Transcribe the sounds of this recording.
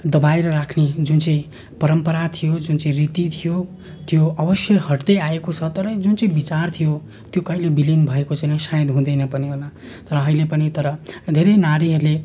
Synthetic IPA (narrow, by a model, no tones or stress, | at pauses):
d̪ʌbajɾʌrakʰned͡zunt͡sʌĩ | pʌɾʌmpʌɾat̪ʰijod͡zunt͡sʌĩrit̪it̪ʰijo | t̪ʰijoʌbʌsjʌhʌʈd̪ʌjaekot͡sʰʌt̪ʌɾʌ̃d͡zunt͡sʌĩbit͡sart̪ʰijo | t̪jokʌilebilinbʱʌekot͡sajnʌsajd̪ɦũd̪ʌjnʌpʌniɦola | t̪ʌɾʌːɦilepʌnit̪ʌɾʌd̪ʱeɾʌjnaɾiɦʌɾle